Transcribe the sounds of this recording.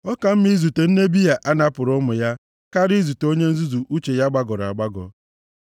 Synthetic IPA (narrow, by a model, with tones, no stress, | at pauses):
ɔ˦ka˨m̩˦mi˦zu˨te˨n̩˦ne˦bi˦ja˨ʔa˦na˦pʊ˨ɾʊ˦mʊ˨ja˦ | ka˦ɾi˦zu˨to˦ɲe˦n̩˦zu˦zu˨ʔu˦t͡ʃe˨ja˦ɡ͡ba˦ɡɔ˨ɾa̰˨ɡ͡ba˦ɡɔ̰˨